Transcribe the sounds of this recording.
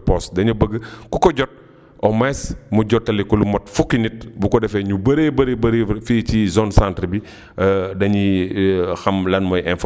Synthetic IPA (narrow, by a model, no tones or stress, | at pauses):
pɔsdɐɲubəɡəkukɔɟɔt̚ | ʔɔmɛsmuɟɔtːɐlikɔlumɔtfukːinit̚bukɔdɛfɛɲubɐɾebɐɾebɐɾefiːcizɔnsantɾbi | dɐɲi | xɐmlɐnmɔjʔɛnf